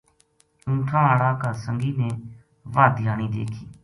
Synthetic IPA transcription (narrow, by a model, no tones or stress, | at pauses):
ʊ̃ːʈʰãːaːɽaːkaːsəŋɡiːnẽː | ʋaːd̪ɪjaːɳiːd̪ḛːkʰiː